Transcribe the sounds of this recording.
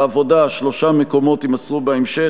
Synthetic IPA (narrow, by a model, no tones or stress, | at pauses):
avo̞daʃlo̞ʃameko̞mo̞timasʁubeemʃe